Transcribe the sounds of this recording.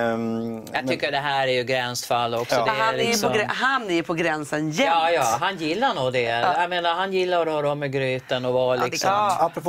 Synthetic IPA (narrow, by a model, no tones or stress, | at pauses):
jaɡ̚t̪ʰʏkːədɛɦæːɾæɾjɵɡɾɛnsfalːɔksɔd̪ɛalɪjsɔɔɦanːɛɾjpʰɔɡɾɛnsənjɛɑːjɑːɦanjɪlːanuːd̪ɛjameːnaɾɦanjɪlːaɾɔɾɔmːɛɡɾyːt̪ənɔvɑlɪɡsɔapɾ